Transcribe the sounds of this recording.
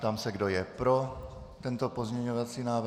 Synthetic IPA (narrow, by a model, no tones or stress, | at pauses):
t̪amsɛɡdo̞jɛpɾo̞ | t̪ɛnt̪o̞pozmɲɛɲovat͡siːnaːv